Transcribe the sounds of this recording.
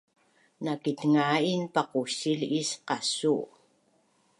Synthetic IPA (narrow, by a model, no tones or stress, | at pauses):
nakit̪ŋainpaqusilisqɑsu